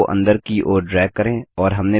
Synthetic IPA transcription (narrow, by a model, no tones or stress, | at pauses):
ʔɐ̰̃nd̪əɾkiʔoːɖɾɛːk̚kːɐɾẽːɔːɾɦɐmne